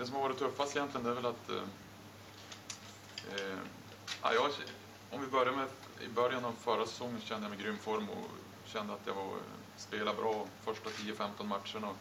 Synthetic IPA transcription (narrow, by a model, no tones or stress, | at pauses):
d̪̥ɛsɔmhaɾvɑːɾɪt̪ːʰɵfːast̪ɪjɛnt̪lɪɡənd̪ɛæːɾvɛlat̪ | a̰jɑɛ | ɔmvɪbœɾjamɛ | ɪ̰bœɾjanavfœɾasɛ̥sɔŋːənsɔɕɛnd̪əjamɛɡɾʏmːfɔɾmɔ̰ | ɕɛnd̪əat̪ja̰vaɾ | speːladbɾʔɑːfœʂʈat̪ʰiːəfɛmt̪ɔnmaʈ̪ʂəɳa